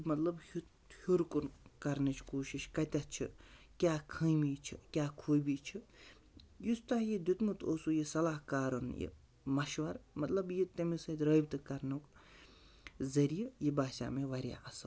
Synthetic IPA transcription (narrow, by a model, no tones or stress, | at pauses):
mɐt̪lɐbhu | huɾkunkɐɾnɨt͡ʃʰkoːʃiʃkɐt̪ʲɐt͡ʃʰḭ | kʲaːkʰə̃jmiːt͡ʃʰḭkʲaːkʰoːjbit͡ʃʰi | just̪ɐɦjid̪it̪mut̪ʰo̰ːsujisɐlaːhkaːɾɐnjḭ | mɐʃʋɐɾmɐt̪lɐbjit̪ɐmisɐd̪ɾɐːjbt̪ɨkɐɾnuk | zɐɾijɐjibaːʃa̰ːmeʋɐɾʲja̰ɐsɐ